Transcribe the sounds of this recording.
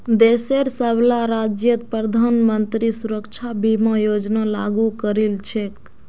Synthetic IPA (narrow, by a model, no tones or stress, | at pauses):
d̪eseɾsəblaɾad͡ʒjət̪pɾəd̪ʱanmənt̪ɾisuɾəkt͡ʃʰabimẽjod͡ʒnalaɡukəɾelt͡ʃʰek